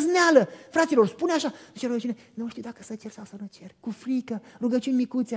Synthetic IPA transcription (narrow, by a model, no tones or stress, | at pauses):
znealəfɾat̪silo̞rspuneaʃanut͡ʃeɾuɡət͡ʃunenumʃt̪iuwd̪akəsət͡ʃe̞rsawsəwnut͡ʃerʲkufɾikəruɡət͡ʃunʲmikut̪sʲa